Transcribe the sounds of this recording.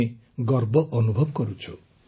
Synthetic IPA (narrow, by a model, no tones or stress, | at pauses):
e | ɡɔɾbɔʔɔnubʱɔbɔkɔɾut͡ʃʰu